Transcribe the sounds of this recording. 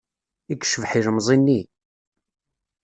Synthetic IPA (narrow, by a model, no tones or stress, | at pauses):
ikːʃəvħiɾmzˤinːi